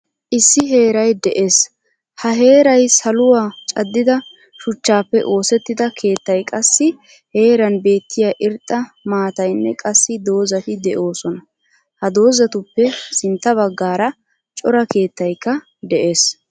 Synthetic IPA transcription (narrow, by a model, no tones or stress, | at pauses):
ʔɪsːɪɦe̞ːɾɐjd̪ɛʔe̞ːs | hɐɦe̞ːɾɐjsɐlʊwaːt͡ʃʼɐd̪ːɪd̪ɐ | ʃʊt͡ʃːaːpːɛʔo̞ːsɛt̪ːɪd̪ɐkʰe̞ːt̪ːɐjkʼɐsːɪ | he̞ːɾɐnbe̞ːt̪ʰːɪjaːʔɪɾt̪ʼːɐmaːt̪ɐjnːɛkʼɐsːɪd̪o̞ːzɐt̪ɪd̪ɛʔo̞ːsɔnɐ | hɐd̪o̞ːzɐt̪ʊpːɛsɪnt̪ːɐbɐɡːaːɾɐ | t͡ʃʼɔɾɐke̞ːt̪ːɐjkːɐ | d̪ɛʔe̞ːs